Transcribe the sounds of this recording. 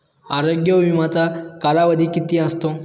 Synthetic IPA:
aɾoɡjəʋimãt͡sakaɾaʋəd̪ʱikit̪ĩəst̪o

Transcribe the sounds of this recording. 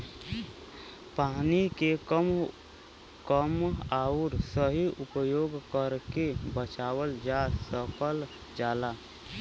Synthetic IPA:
paːnikekəm | kəmaːʊɾsəɦiʔʊpəjoːɡkəɾkebət͡ʃaːwəld͡ʒasəpʰəl | d͡ʒaːla

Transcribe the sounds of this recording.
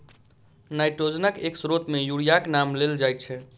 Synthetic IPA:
najʈɾod͡ʒnəkeksɾot̪mejuɽijaknamleld͡ʒajt̪̚t͡ʃʰɛ

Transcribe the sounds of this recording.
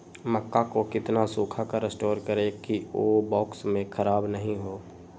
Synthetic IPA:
məkːakokɪt̪nasuːkʰakaɾesʈoːɾkəɾekioːbɔːksmẽkʰəɾaːbnɐɦĩɦoː

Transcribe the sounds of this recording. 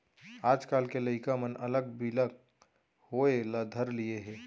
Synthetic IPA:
aːd͡ʒkaːlkeləɪkamənələɡ̚bilək | hoeləd̪ʱəɾlijeɦɛː

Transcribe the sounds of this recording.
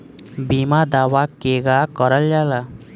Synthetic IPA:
bimad̪awakeɡakɔɾaljala

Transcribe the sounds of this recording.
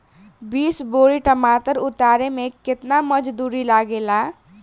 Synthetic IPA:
biːsboɾiʈəmat̪əɾʊt̪aɾemẽkɪt̪naməd͡ʒd̪uɾilaɡela

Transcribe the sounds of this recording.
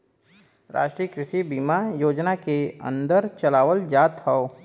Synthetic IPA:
ɾa̰ːʃʈɾijəkɾɪʃibiːmajoːd͡ʒnakeə̰̃nd̪əɾt͡ʃɐlaːʋəld͡ʒaːt̪ɦɔo

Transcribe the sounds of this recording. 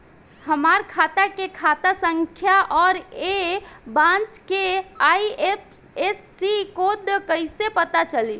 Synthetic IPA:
həmaɾkʰat̪akekʰat̪asəŋkʰjaʔɔːɾebãnt͡ʃkeaiep | esːikod̪kəɪsepət̪at͡ʃəli

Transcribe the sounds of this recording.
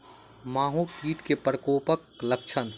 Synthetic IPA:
maːɦũkiːt̪kepɾəkoːpəkləkt͡ʃʰən

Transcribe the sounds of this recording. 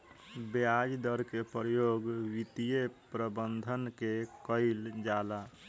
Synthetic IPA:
bejad͡ʒd̪əɾkepɾjoɡwit̪ijepɾəbənd̪ʱənkekəɪld͡ʒala

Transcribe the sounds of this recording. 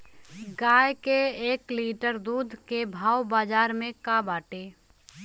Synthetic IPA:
ɡaːjkeeːkliːʈəɾd̪uːd̪ʱkebʱaːwbaːd͡ʒaːɾmẽkabaːʈeː

